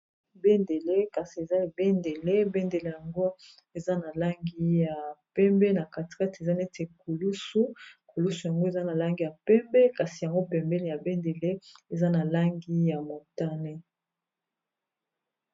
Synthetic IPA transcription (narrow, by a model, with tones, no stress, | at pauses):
be˦nde˨le˦ka˨si˨e˨za˦˨be˦nde˨le˦be˦nde˨le˦ja˨ŋɡo˦ | e˨za˦na˨la˦ŋɡi˦ja˨pɛ˦mbɛ˦na˨ka˨ti̥˨ka˦ti˨e˨za˦ne˦te˨ku˨lu˦su˦ku˨lu˦su˨ja˨ŋɡo˦e˨za˦na˨la˦ŋɡi˨ja˨pɛ˦mbɛ˦ka˨si˨ja˨ŋɡo˦pɛ˨mbɛ˦le˦˨ja˨be˦nde˨le˦e˨za˦na˨la˦ŋɡi˦ja˨mo˨ta˦ne˦